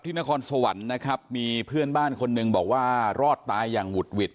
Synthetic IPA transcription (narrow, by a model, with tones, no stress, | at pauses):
pt̪ʰiː˥˩na˦˥kʰɔː˧nso˧wa˩˦nːa˦˥kʰɾa˦˥p̚miː˧pʰɯ˥˩ənbaː˥˩nkʰo˧nːɯ˧ŋbɔː˨˩k̚waː˥˩ɾɔː˥˩t̪ːaː˧˥jːaː˨˩ŋwu˨˩t̪̚wi˨˩t̪̚